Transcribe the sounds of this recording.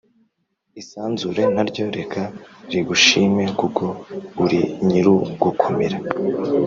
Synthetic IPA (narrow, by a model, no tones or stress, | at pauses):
isaːnzuɾe̞n̥aɾɟo̞ɾe̞kʰaɾiɡuʃiːme̞kuko̞uɾiɲiɾuɡukʰomeɾa